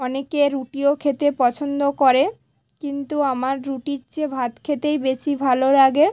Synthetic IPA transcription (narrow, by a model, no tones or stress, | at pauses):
ɔnekeɾuʈiokʰet̪epɔt͡ɕʰond̪okoɾe | kint̪uamaɾːuʈiɾt͡ɕebʱat̪kʰet̪ejbeʃibʱaloɾaɡe